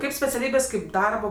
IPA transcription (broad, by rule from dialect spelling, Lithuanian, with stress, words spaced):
ˈkɐɪp sʲpʲɛt͡sʲɛˈlʲiːbʲeːs kɐɪp ˈdɐrboː